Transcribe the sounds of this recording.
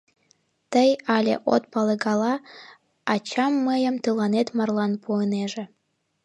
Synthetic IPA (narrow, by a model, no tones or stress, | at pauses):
t̪əjɑlʲḛʔo̰t̪̚pɑleɡɑlɑ | ɑt͡ɕɑmːəjə̆mt̪ɯlɑnet̪mɑrlˠɑnpuəneʒe